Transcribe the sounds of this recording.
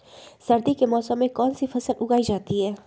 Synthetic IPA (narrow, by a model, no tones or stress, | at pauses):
sɐɾd̪ikemɔːsəmːẽkɔːnsifʰɐsəlʔʊɡaːid͡ʒaːt̪iɦɛː